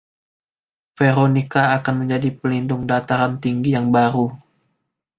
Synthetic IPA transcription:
feɾonikaːkanməɲd͡ʒadipəlindʊŋdat̪aɾant̪iŋɡijaŋbaɾu

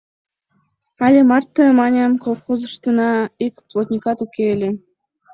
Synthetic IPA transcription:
ɑlʲemɑrt̪ːəmɑnʲemkolˠχozə̆ʃt̪ɤ̆nɑikʲplˠot̪ʲnʲikɑt̪ukʲelʲĕ

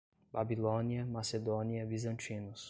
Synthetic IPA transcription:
babilõniɐmased̪õniɐvizɐ̃nt͡ʃĩnʊs

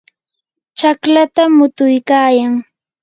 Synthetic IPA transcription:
t͡ʃaklat̪amʊt̪ʊjkaːjaŋ

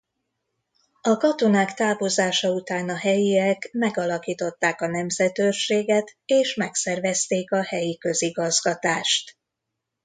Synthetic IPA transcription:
ɒkɒt̪onaːkt̪aːvozaːʃɒut̪aːnɒɦɛjiɛkmɛɡɒlɒkiːt̪o̞t̪ːaːkɒnɛmzɛt̪ørʃeːɡɛt̪eːʃmɛksɛrvɛst̪eːkɒhɛjikø̞ziɡɒzɡɒt̪aːʃt̪

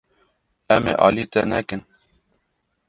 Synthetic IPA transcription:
ɛmḛʔɑːlit̪ɛnɛkɨn

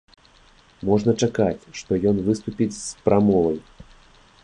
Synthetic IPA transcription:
mɔʐnɐt͡ʂakat͡sʲʂt̪ɔjɔnvɨst̪upʲit͡sʲspɾʔamɔlˠɐj

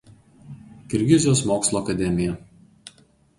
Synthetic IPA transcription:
kʲɪɾʲɡʲɪzʲɪjoːsmoːkslˠoːɐkɐd̪ʲɛmʲɪjɛ

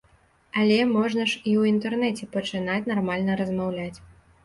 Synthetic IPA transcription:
alʲɛmɔʐnɐʂiwint̪ɛrnɛt͡sʲɛpɐt͡ʂɨnat͡sʲnarmalʲnɐɾɐzmawlʲat͡sʲ

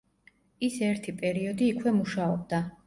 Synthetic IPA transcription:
isɛɾt̪ʰipʼɛɾiɔd̪iːkʰwɛmuʃaɔb̚d̪a

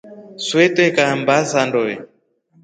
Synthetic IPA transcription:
swɛtɛkambasandɔɛ

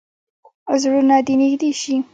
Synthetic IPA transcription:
zɽuɾnɑd̪inixd̪eʃi

